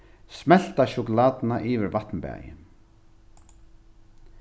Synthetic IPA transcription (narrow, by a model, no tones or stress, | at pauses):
smɛl̥t̪aʃʊkʊlaːt̪ɪnaʔiːvɪɾvat̪nbɛ̰ːjɪ̰